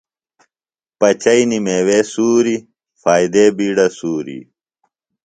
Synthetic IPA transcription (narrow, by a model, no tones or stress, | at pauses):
pɐt͡ɕɐinimeːwesuːɾi | faːid̪eːbiːɖɐsuːɾḭ